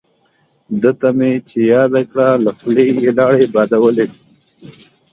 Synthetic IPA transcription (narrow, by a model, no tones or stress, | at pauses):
d̪ət̪amet͡ʃejɑːd̪akɽalaflejelɑːɽebɑːd̪awəleʈi̥